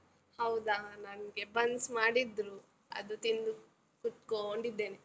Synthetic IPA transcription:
hɐwd̪anɐnɡebɐnsmaːɽid̪ɾu | ɐ̰d̪ut̪ind̪u | kut̪koɳɖid̪ːe̞ːne

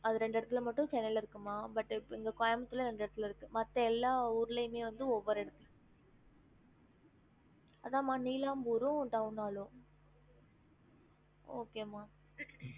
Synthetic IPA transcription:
ɐðɯɾɛɳɖɛɽɐt̪ːɪlmɐʈːʊ̃t͡ʃɛnːɐlɪɾɯkːɯmːaːbɐʈːɪpːɪŋɡɐkɔjɐmɐt̪ːɪlɐɾɛɳɖɛɽɐt̪ːɪlɪɾɯkːɯmɐt̪ːɐɛlːaːuːɾlɐɪmeːʋɐnd̪ɯɔʋːɔɾɛɽɐt̪ːɯ | ɐðãːmaːniːlaːmbuɾũʈɐnaːlʊ̃ | oːkeːmaː

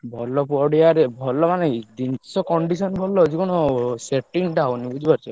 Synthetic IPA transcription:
bʱɔlɔpɔɽiaɾebʱɔlɔmaned̪insɔkɔɳɖisɔnbʱɔlːɔd͡ʒikɔɽ̃ɔseʈiŋʈaonibud͡ʒʱipaɾt͡ʃʰɔ

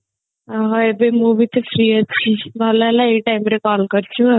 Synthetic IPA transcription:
aɦoebemuːbit̪ʰefɾiət̪t͡ʃʰiʋalalaeːkʈaːɪmɾekɔːlkɐɾt͡ʃʰũ

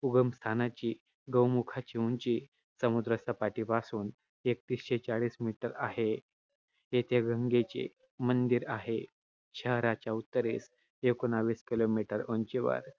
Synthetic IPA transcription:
uɡəmst̪ʰanat͡ɕiː | ɡəwmukʰat͡ɕiuɲt͡ɕiː | səmud̪ɾəsəpaʈiːpasuːn | ek̚t̪isɕet͡saɭiːsmiʈəɾa̰ɦe | jet̪ʰeɡʱəŋɡet͡ɕḛ | mənd̪iɾaɦe | ɕəɦɾat͡ɕjaut̪ːəɾis | ekonaʋiːskilomiʈəɾont͡ɕeʋə̰ɾ

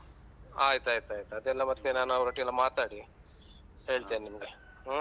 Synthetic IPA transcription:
aːjt̪aːjt̪aːjt̪ad̪elːamɐt̪ːenaːnawɾoʈiɐlːamaːt̪aɽi | eːɭt̪enːimɡe

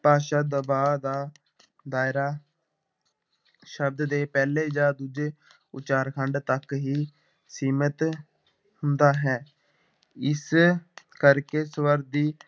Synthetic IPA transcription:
paːʃaːd̪əbaːd̪aː | d̪aːɪɾaː | ʃəb̚d̪d̪eːpɛːleːd͡ʒaːd̪uːd͡ʒeː | ʊt͡ʃaːɾkʰəɳɖt̪əkɦiː | siːmət̪ | hʊnd̪aːɦɛː | ɪs | kəɾkeːswəɾd̪iː

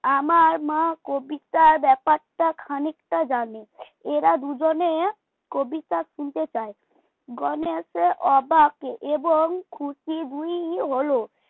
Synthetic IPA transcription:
amaɾmãkobit̪aɾbɛpaɾʈakʰanikʈad͡ʑane | eɾad̪ud͡ʑone | kobit̪aʃunt̪et͡ɕae | ɡɔneseʔɔbakeʔeboŋkʰusid̪uiɦiɦolo

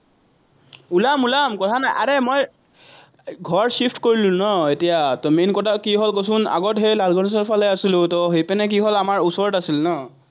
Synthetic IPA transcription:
ulamulamkɔtʰanajʔa̰ɹemoj | ɡʱɔɹsipʰtkoɹilʊ̃nɔetijatɔmenkɔtʰakiɦɔlkos̬una̰ɡɔtɦejlalɡʱɔnis̬ɔɹpʰalɛasilʊ̃tɔɦejpɛnɛk̬iɦɔlamaɹusɔɹɔtasilnɔ

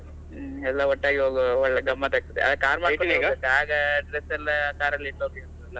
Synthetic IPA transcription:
ɛlːɐɔʈːaːɡiɦoːɡɔɭːɐɡɐmːɐt̪ɐɡ̚t̪id̪eɐ̰d̪ɐkːaːɾmaːɽkoiɡɐk̪ːaːɡɐɖɾesɛlːɐkaːɾɐlːiʈːoːɡiɐnilːɐ

